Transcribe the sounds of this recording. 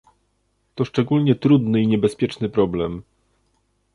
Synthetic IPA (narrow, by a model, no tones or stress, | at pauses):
t̪ɔʂt͡ʂɛɡulɲɛt̪ɾud̪nɘiɲɛbɛspʲjɛt͡ʂnɘpɾɔblɛm